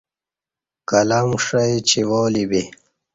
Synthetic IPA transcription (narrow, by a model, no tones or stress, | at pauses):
kɐlamʂɐjt͡ɕʰiwoːlibe